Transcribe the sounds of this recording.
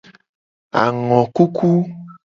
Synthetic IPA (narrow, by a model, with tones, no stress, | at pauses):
a̰˨ŋɔ̃˨ku˦kʰu˦